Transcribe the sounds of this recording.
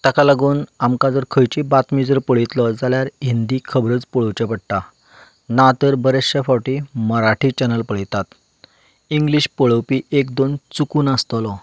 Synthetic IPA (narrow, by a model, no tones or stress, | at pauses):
t̪akalaɡuːnamkad͡zəɾkʰəjt͡ɕibat̪mid͡zəɾpəɭit̪lɔd͡zaljaɾɦind̪iːkʰəbɾət͡spəɭəwt͡ɕapəɽ̚ʈ̪a | nat̪əɾbəɾesəfawʈiməɾaʈʰiːt͡ɕɛnəlpəɭit̪at̪ | iŋɡliɕpəɭəwpiːekd̪ont͡sukuːnəst̪ɔlɔ